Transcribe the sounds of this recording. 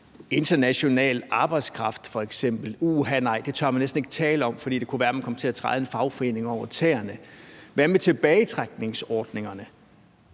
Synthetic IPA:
e̝nd̥ɐnæɕo̝nɛ̰ːlɑ̈ːb̥ɑ̈ɪ̥skʰʁɑ̈fd̥fɒ̽eɡ̥sem̰b̥l̩uːɦænɑ̈ɪ̰d̥e̝t͡sʰɶɐ̰mænesd̥n̩e̝ɡ̥ə̥t͡sʰɛːləɒ̽m̰fd̥ḭːd̥e̝kʰuʋæɐmænkɒ̽mət͡sʰe̝æt͡sʰʁɑ̈ɪðˠe̝nfɑ̈ʊfɒ̽e̝̰ːne̝ŋɒʊ̰ɐt͡sʰḛːɐnəʋæɐmet͡sʰe̝b̥ɛːɪt͡sʰʁaɡ̥̚ne̝ŋsɒːd̥ne̝ŋɐnə

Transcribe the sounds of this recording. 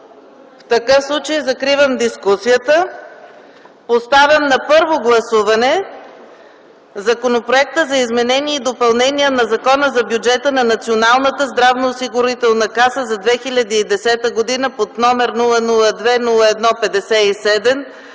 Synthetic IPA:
ft̪ɐkɤfslˠut͡ʃəjzɐkɾivəmd̪iskusijət̪ə | post̪avʲjəmnɐpɤɾvoɡlˠɐsuvɐnɛ | zɐkonopɾoɛk̚t̪əzɐizmɛnɛniɛid̪opɐlˠnɛniənɐzɐkɔnəzɐbjud͡ʒɛt̪ənɐnɐt̪sionalˠnət̪əzd̪ɾavnoːsiɡʊɾit̪ɛlˠnəkasəzɐd̪vɛxiʎʲəd̪iːd̪ɛsɛt̪əɡod̪inəpot̪nɔmɛɾnulˠənulˠəd̪vɛnulˠəɛd̪nɔpɛd̪ɛsɛisɛd̪ɛm

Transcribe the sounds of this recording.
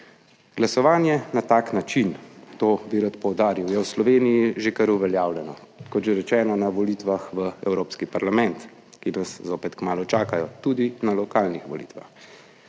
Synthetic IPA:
ɡ̥lasɔʋaːnjɛnat̪aːknat͡ʃint̪oːbiɾat̪pɔwd̪aːɾiwjɛwslɔʋeːnijiʒekəɾuʋɛljaːwlʲɛnɔ | kɔt̪ʒeɾɛt͡ʃɛːnɔnaʋɔlit̪ʋaxʋəɛwɾoːpskipaɾlamɛnt̪ | kinaszoːpɛt̪kmaːlɔt͡ʃaːkajɔt̪ud̪inalɔkaːlnixʋɔlḭːt̪ʋa̰x

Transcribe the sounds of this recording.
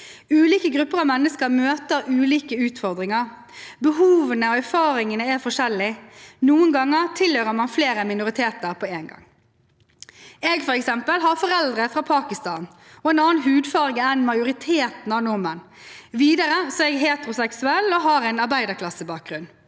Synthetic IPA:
ʉːliːkəɡɾʉpːəʁɑʋmɛnːəskəɾmøːt̪əɾʉːliːkəʉːt̪fɔʁd̪ɾɪŋəʁ | bəɦuːʋənəɔæɾfɑːɾɪŋənəæɾfɔʂɛlːɪnuːənɡɑŋːəʁt̪ʰɪlhøɾəmɑnfleːɾəmɪnʊʁɪt̪ʰeːt̪əɾpʰɔeːnɡɑ̰ŋ | ɛːɡfɔɾɛksɛmpəlɦɑɾfɔɾɛld̪ʁəfʁɑːpʰɑːkɪst̪ɑːn | ɔɛːnɑːnɦʉːd̪fɑːʁɡəɛnmɑɪjʊʁɪt̪ʰeːt̪n̩ɑʋnʊmən | ʋiːd̪əɾəsɔɛɡɦeːt̪əʁʊsɛksʉɛlːɔɦɑːɾɛɪnɑɾbæɪd̪əkʰlɑsːəbɑːk̚ɡʁʉnː

